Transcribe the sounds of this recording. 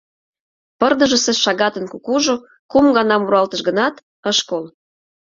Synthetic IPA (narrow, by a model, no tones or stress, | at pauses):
pərd̪ə̆ʒəseʃɑɣɑt̪ənkukuʒo | kumɡɑnɑmuɾɑlt̪əʃɣənɑt̪ | əʃkol